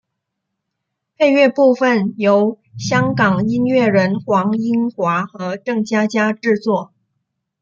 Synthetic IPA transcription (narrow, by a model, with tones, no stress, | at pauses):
pe˥˧ɪɥɛ˥˧pu˥˧fə˨˩njo˧˥ʊ | ɕjɑ˥ŋkɑ˨˩ŋi˥nɥɛ˥˩ɻə˧˥nxwɑ˧˥ŋi˥nxwa˧˥xɤ˧˥ʈ͡ʂɤ˥˩ŋt͡ɕja˥t͡ɕja˥ʈ͡ʂɻ̩˥˧t͡swɔ˥˩